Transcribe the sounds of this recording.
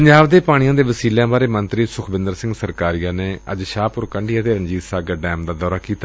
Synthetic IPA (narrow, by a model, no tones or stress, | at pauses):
pəɲd͡ʒaːʋd̪eːpaːɽ̃ɪjãːd̪eːʋəsiːlejãːbaːɾeːmə̃nt̪ɾiːsʊkʰbɪ̃nd̪əɾsɪ̃ŋɡsəɾkaːɾijãːneːə̰d͡ʒʃaːpʊɾkəɳɖiːət̪eːɾəɲd͡ʒiːt̪saːɡəɖɛːmd̪aːd̪ɔːɾaːkiːt̪aː